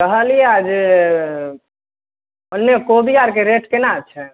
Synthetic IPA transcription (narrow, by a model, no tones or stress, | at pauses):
kəɦəlijɛad͡ʒ | ənːjekobijaɾkeɾeʈkenat͡ʃʰɛ